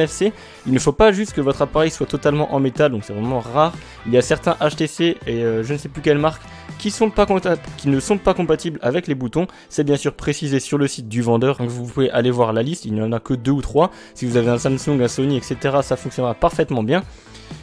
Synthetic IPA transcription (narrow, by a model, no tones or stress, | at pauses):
ɛfse | ilnəfopaʒyst̪kəvɔt̪χapaʁɛjswat̪ɔt̪almɑ̃ʔɑ̃met̪ald̪ɔ̃ksɛvʁɛmɑ̃ʁaʁ | iljasɛʁt̪ɛ̃ʔaʃt̪eseeøʒənəsɛplykʲɛlmaʁk | kʲːisɔ̃pakkʲinəsɔ̃pakɔ̃pat̪ibla̰vɛklebut̪ɔ̃ | sɛbjɛ̃syʁpχesizesyʁləsit̪̚d̪yvɑ̃d̪œʁ̃kəvupuveʔalevwaʁlalist̪ilnɑ̃nakəd̪øut̪χwa | sivuzaveɛ̃samsũŋɡɛ̃sɔniɛkset̪eʁasafɔ̃ksjɔnʁapaʁfɛt̪mɑ̃bjɛ̃